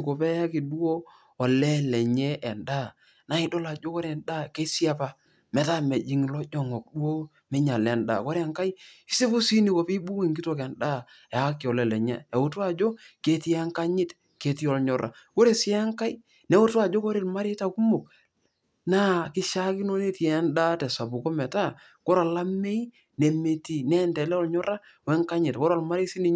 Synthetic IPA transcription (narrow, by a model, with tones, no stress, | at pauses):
ko˨pɛ˦ja˦ki˨du˦oː˦˨ | lɛ˦lɛ˨ɲɛ˦ʔɛ˨nda˦˨ | na˨ɪ˨˦do˦la˨d͡ʒo˦ko˦ɾeɛ˨nda˦ke˦sɪ˦a˦pa˦ | mɛ˨ta˦mɛ˨d͡ʒi˨˦ŋ˨lɔ˦d͡ʒɔ˨ŋɔ˨k̚du˦o˦ | mɛ˦ɲa˨lɛ˨nda̰˨ko˦ɾe˦a˨ŋka˦i˦i˦se˦bo˦si˦ni˨ko˨pi˦bu˦we˦˨ŋɡi˦to˨kɛ˨nda˦˨ | ɛ˨˦kːi˨ɔ˨lɛ˨lɛ˨ɲɛ̰˦e˨ʊ˨to˦a˨d͡ʒo˦ke˨ti˦ŋka˦ɲɪ˦t | ke˨ti˦ɔ˨lɲɔ˨ɾʔa̰˨ko˦ɾe˨sɪ˦a˦ŋka˦i˦ | ne˨˦wʊ˦ta˨d͡ʒo˦ko˦ɾe˨lma˦ɾe˦ta˨ku˦mo˨k̚ | na˦kɪ˦ʃa˦kɪ˦no˦ne˦ti˨ɛ˨˦nda˦tɛ˨sa˨bu˨ko˦mɛ˨ta˦˨ | ko˦ɾa˨la˦me˦i˦ | ne˨me˨ti˨nɛ˦˨ntɛ˨lɛ˦ɔ˦˨lɲɔ˦ɾa˦ | wɛ˦ŋka˦ɲɪ˨tkɔ˦ɾɔ˦˨lma˦ɾe˦si˦ni˨